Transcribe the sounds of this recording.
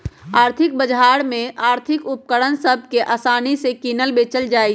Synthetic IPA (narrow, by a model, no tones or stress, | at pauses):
aːɾt̪ʰɪk̚bəd͡ʒɦaːɽmẽaːɾt̪ʰɪkʊp̚kəɽənsəb̚ʱkeʔaːsaːnisekiːnəlbeːt͡ʃəld͡ʒaːi